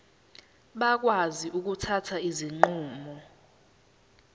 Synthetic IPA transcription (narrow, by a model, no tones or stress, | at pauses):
ɓak̬waziʔuk̬utʰatʰaiziŋ͡ǃuːmɔ